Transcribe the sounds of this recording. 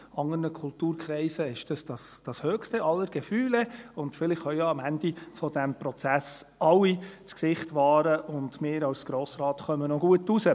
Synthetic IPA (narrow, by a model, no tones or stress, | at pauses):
ɑŋənəkʰʊltuːɾkχɾɛɪsəɪʃd̥ɑsd̥ɑsd̥ɑshøːkstəʔɑlːəɾɡ̥əfyːlɛʊndfɪlɪχhœʊjɑɑmænd̥ifɔdæmpɾɔt͡sæs | ɑwːit͡sksɪχtʋɑːɾəʔʊndmɪːɾɑwsɡ̥ɾoːsɾɑːt̪χœmənɔɡuətusə